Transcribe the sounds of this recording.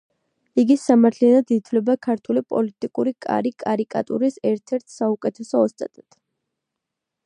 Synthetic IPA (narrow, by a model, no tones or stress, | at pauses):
iɡisamaɾt̪ʰlianad̪it̪ʰvlɛbakʰaɾt̪ʰulipʼɔ̰lit̪ʼikʼuɾikʼa̰ɾikʼa̰ɾikʼa̰t̪ʼṵɾisɛɾt̪ʰɛɾt̪ʰsaukʼɛt̪ʰɛsɔːst̪ʼat̪ʼad̪̥